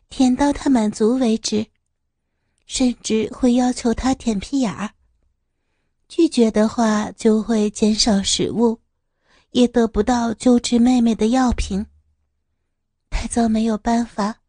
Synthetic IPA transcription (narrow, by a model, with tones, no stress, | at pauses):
t̪ʰjɛ˨˩nt̪ɑ˥˩ʊt̪ʰa˥ma˨˩nt͡su˧˥we˧˥ɪʈ͡ʂɻ̩˥˩ | ʂə˥˧nʈ͡ʂɻ̩˥˧xwe˥˩ɪjɑ˥ʊt͡ɕʰjo˧˥ʊt̪ʰa˥t̪ʰjɛ˨˩npʰi˥ja˨˩˦ | t͡ɕy˥˩t͡ɕɥɛ˧˥d̪ə˧xwa˥˧t͡ɕjo˥˧ʊxwe˥˩ɪt͡ɕjɛ˧˥nʂɑ˨˩˦ʊʂɻ̩̰˨˩u˥˩ | jɛ˨˩t̪ɤ˧˥pu˧˥t̪ɑ˥˧ʊt͡ɕjo˥ʊʈ͡ʂɻ̩˥˧me˥˧ɪme˥˩ɪd̪ə˩jɑ˥˩ʊpʰi˧˥ŋ | t̪ʰa˥˧ɪt͡sɑ˥˩ʊme˧˥ɪjo˨˩ʊpa˥˩nfa˨˩˦